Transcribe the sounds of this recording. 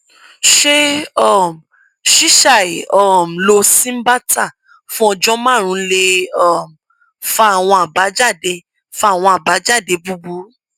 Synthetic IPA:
ʃe˦ɔ˦˨m̩˨ | ʃi˦ʃa˦˨i˨ɔ˦˨m̩˨lo˧sĩ˦m̩˦ba˦tʰa˦˨ | fũ˦ɔ˧d͡ʒɔ̃˦mãː˦˨ɾ̃ũ˧˦le˧ɔ˦˨m̩˨ | fa˧˦a˨w̃ɔ̃˧a˨ba˨˦d͡ʒa˦˨de˧ | fa˧a˨w̃ɔ̃˧a˨ba˨˦d͡ʒa˦˨de˧bu˧bu˨˦

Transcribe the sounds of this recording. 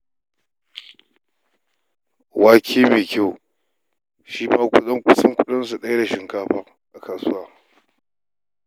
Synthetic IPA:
waː˦kʰʲeː˦meː˨kʲa˦w | ʃi˦maː˦kʷʊ˦ɗɐ˦ŋkʷʊ˦sɐ˦ŋkʷʊ˦ɗɐ˦ns̬u˨ɗɐ˦ja˦da˨ʃɪ˨ŋkaː˦ɸaː˦ | ʔa˨kaː˨sʊ˦waː˦˨

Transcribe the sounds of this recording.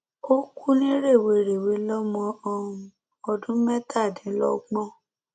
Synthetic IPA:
o˦ku˦nĩ˦ɾe˦˨we˧ɾe˨we˨˦lɔ˦mɔ̃˧ɔ˦˨˦ | ɔ˧dũ˦mɛ˦tʰa˦˨dĩ˨˦lɔ̰˦ɡ͡bɔ̃˦

